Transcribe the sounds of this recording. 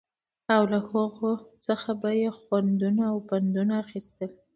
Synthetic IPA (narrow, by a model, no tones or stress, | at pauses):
awlahəɣosəxabajexwand̪unaːwband̪unaːxist̪əl